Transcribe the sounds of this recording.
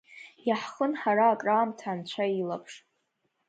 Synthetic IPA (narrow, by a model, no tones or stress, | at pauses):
jaħχənħaɾaːkʼraːmtʰaːnt͡ɕʷʰailapʰʂ